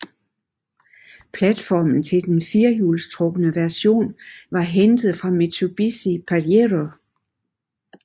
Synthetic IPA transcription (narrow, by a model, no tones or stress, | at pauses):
pʰlæd̥fɒːmn̩t͡sʰe̝ld̥enfiɐjuːlst͡sʰʁɔ̽ɡ̥ənəʋæɐso̝̰ːnʋɑ̈ɦend̥ð̩ˠfʁɑ̈me̝t͡sʰub̥isipʰæʁeʁo